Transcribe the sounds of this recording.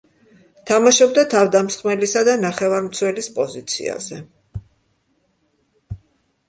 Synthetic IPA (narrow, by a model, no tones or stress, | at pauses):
t̪ʰamaʃɔbd̪at̪ʰavd̪amsχmɛlisad̪anaχɛvaɾmt̪sʰwɛlispʼɔzit̪sʰḭa̰zɛ